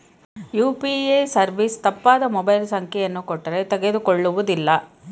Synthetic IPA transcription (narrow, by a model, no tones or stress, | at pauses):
juːpiesɐɾʋist̪ɐpːaːd̪ɐmɔbɐjlsɐŋkʰɛjɐnːukɔʈːɐɾe̞t̪ɛɡe̞d̪ukoɭːuʋud̪ilːɐ